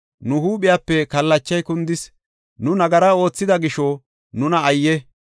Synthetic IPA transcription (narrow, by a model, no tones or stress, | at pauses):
nʊhuːɓɪjaːpːɛkɐlːɐt͡ʃːɐjkʊnd̪ɪs | nʊnɐɡɐɾɐo̞ːt͡sːɪd̪ɐɡɪʃo | nʊnɐɐjːɛ